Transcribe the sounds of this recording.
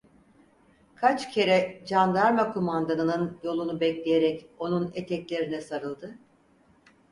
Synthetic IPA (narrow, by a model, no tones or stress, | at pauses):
kʰat͡ʃcʰe̞ɾɛd͡ʒand̪aɾmakʰomand̪anɯnɯnjo̞lˠunubɛclʲejeɾɛco̞nunet̪ʰɛclʲe̞ɾinɛsaɾɯlˠd̪ɯ